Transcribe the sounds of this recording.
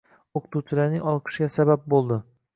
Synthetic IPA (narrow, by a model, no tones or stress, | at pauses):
oqʰɨ̥t̪uwt͡ʃʰɪlaɾnɪŋɒlˠqʰɨ̥ʃɡʲasabap̚bolˠd̪ɪ